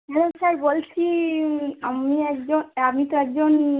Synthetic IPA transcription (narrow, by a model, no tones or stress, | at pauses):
ɦɛlosaɾbolt͡ɕʰi | amiɛkd͡ʑonamit̪oɛk̚d͡ʑon